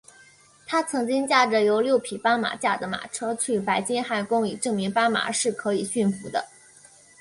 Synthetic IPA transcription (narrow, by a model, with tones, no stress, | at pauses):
t̪ʰa˥t͡sʰɤ˧˥ŋt͡ɕi˥ŋt͡ɕja˥˩ʈ͡ʂə˩jo˧˥ʊljo˥˩ʊpʰi˨˩pa˥nma̰˨˩t͡ɕja˥˩d̪ə˩ma̰˨˩ʈ͡ʂʰɤ˥t͡ɕʰy˥˩pa˧˥ɪt͡ɕi˥nxa˥˩nkʊ˥ŋi˨˩ʈ͡ʂɤ˥˩ŋmi˧˥ŋpa˥nma̰˨˧˩ʂɻ̩˥˩kʰɤ˧˥i˨˩ɕy˥˩nfu˧˥d̪ə̰˧